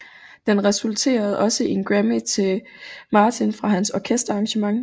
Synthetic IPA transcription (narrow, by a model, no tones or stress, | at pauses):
d̥enʁɛsult͡sʰe̝̰ːɐð̞̩ˠɒ̽səʔe̝nɡ̥ʁæmit͡sʰe̝l | mɑ̈ːt͡sʰinfʁɑ̈ɦænsɒkʰesd̥ɐɑ̈ŋɕəmɑ̈ŋ